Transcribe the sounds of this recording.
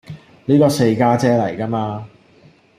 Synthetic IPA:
niː˥kɔː˧se˧jkaː˥t͡sɛː˥lɐ˨˩jka˥maː˧

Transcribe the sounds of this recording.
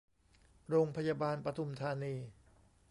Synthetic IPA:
ɾoː˧ŋpʰa˧jaː˧baː˧npɾa˧t̪ʰu˧mt̪ʰaː˧niː˧

